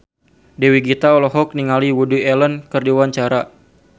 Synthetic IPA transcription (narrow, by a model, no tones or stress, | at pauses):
dɛwiɡit̪aɔlɔɦɔk̚niŋaliwuduɛlənkɨrdiwaɲt͡ʃaɾa